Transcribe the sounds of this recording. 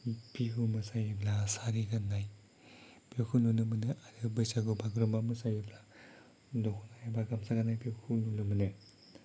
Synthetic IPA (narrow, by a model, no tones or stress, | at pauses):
biɦumɯsajiblasaɾiɡanːaj | b̥ekʰununɯmɯnɯʔaɾɯbɯjsaɡɯbaɡɾɔmamɯsajibla | dɔkʰunajabaɡamsaɡanajbekʰulunɯmɯnɯ